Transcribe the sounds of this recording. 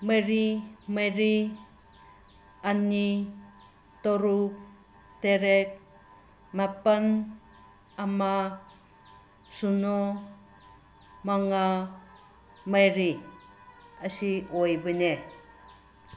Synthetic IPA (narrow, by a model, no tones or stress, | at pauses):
məɾimaɾi | ani | t̪oɾuk̚ | teɾek̚ | mapan | ama | suno | maŋa | majɾi | asiojbəne